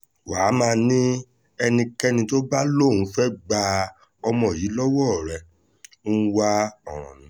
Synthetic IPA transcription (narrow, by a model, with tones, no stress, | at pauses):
waː˨˦mãː˧nĩ˦ | ɛ˧nĩ˧kɛ˦nĩ˧to˦ɡ͡ba˦lo˦˨ũ˨˦fɛ˦ɡ͡ba˧ | ɔ˧mɔ̃˨ji˨˦lɔ˦wɔ˦˨ɾɛ˧˨˦ | wa˧ɔ˨ɾ̃ɔ̰̃˨nĩ˨˦